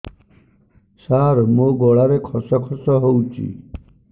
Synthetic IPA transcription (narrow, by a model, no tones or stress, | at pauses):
saɾmoɡɔɭaɾekʰɔsɔkʰɔsɔɦowt͡ʃʰḭ